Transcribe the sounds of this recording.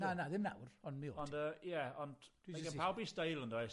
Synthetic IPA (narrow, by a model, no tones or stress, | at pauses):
nanaðɪmna̰wrɔnmio̰ːɔnndəjɛɔndakəawbisdejlˠəndɔɪs